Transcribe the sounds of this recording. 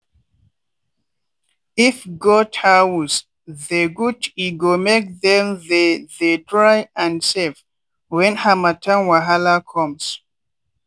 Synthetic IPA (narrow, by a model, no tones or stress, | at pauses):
ifɡɔthawus | ðeɡutiɡomek̚ðɛ̃mðeðetʰɹajãnsev | wɛ̃nhamatʰãnwaɦalakʰɔ̃ms